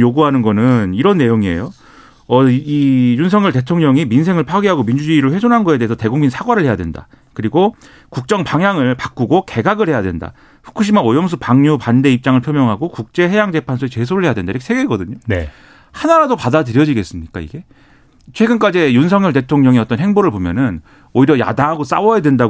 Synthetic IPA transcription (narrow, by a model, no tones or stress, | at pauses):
joɡuɦanɯnɡʌnɯniɾʌnːe̞joŋie̞̰jo | ʌijunsʰʌŋɲjʌɭte̞tʰoŋɲʌŋiminsʰe̞ŋɯɭpʰaɡiɦaɡomind͡ʑud͡ʑiːɾɯɭɸwe̞sʰonɦanɡʌe̞deesʰʌte̞ɡuŋminsʰaɡwaɾɯɭhe̞jadwe̞̰nda̰ | kɯɾiɡo | kuk̚t͡ɕ͈ʌŋpaŋjaŋɯɭpak͈uɡoke̞ɡaɡɯɭhe̞jadwenda̰ | ɸu̥kʰuɕ̬ʰimaojʌms̬ʰupaŋɲupande̞ip̚t͡ɕ͈aŋɯɭpʰjomjʌŋɦaɡokuk̚t͡ɕ͈e̞ɦe̞jaŋd͡ʑe̞pʰansʰuet͡ɕe̞sʰoɾɯɭhɦeadwendaiɾkʰeeɡeːɡʌdɯɲone | hanaɾadopadadɯɾjʌd͡ʑiɡe̞s͈ɯmɲik͈a̰ḭɡe̞ | t͡ɕʰwe̞ɡɯnk͈ad͡ʑijunsʰʌŋjʌɭt̬e̞tʰoŋɲʌŋiʌt͈ʌnɦe̞ŋboɾɯɭbomjʌ̰nɯn | oiɾjʌja̰daŋɦaɡos͈a̰wʌjadwe̞nda